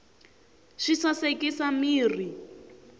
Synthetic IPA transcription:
ʃisasekʼisamiːri

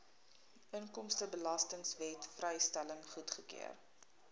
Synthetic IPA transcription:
əŋkɔmstəbəlɐstəŋsvɛtfrɛjstæləŋχutχəkḭə̰r

